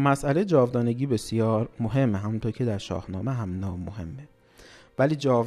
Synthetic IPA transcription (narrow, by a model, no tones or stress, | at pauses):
mæsʔælejed͡ʒɒːvd̪ɒːne̞ɟiːbe̞sjɒːɾmoɦe̞mːeɦæmunt̪ʰoɾcʰe̞d̪æɾʃɒ̰ːhnɒ̰ːmeɦæmnɒːmːohe̞̰mːe | væliːd͡ʒɒːv